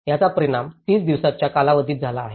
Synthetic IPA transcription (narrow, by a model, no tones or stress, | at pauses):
jat͡sapəɾiɽamt̪iːt͡sd̪iʋsat͡ɕjakalaʋəd̪ʱiːt̪̚d͡zʱalaːɦe